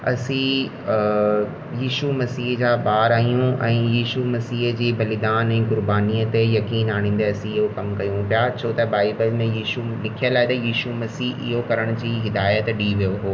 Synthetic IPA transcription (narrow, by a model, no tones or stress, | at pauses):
ɐ̰sĩ | jiːʃumɐsiːɦd͡ʑaːbaːɾaːɦijũɛ̃ːjiːʃumɐsiːɦd͡ʑiːbɐlɪd̪aːnɛ̃ːkʊɾbaːniət̪ejɐkiːnaːɽ̃ĩːn̆d̪eɐsĩɪɦokɐmkɐjũbjat͡ɕʰoːt̪ɐbaːɪbəlmẽjiːʃulɪkʰijəlaːɦɪt̪ɐjiːʃumɐsiːɦɪ̰ɦokɐɾəɽ̃ʊd͡ʑiːɦɪd̪aːjət̪ɗiːʋijoɦoː